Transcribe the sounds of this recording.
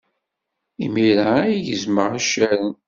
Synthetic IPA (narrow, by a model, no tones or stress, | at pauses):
ḭmiɾajjəzməʁaʃːæɾən